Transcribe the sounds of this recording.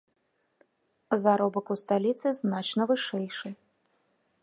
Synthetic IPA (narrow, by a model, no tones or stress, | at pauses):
zaɾɔbɐkust̪alʲit̪sɨznat͡ʃnɐvɨʂɛjʂɨ